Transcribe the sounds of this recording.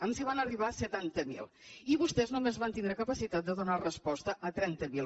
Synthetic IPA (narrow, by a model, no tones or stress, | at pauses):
əmsiβ̞anəriβ̞asət̪ant̪əmḭlˠiβust̪ɛznumezβant̪indɾəkəpəsit̪at̪̚d̪əðunarəspɔst̪əʔət̪ɾɛnt̪əmi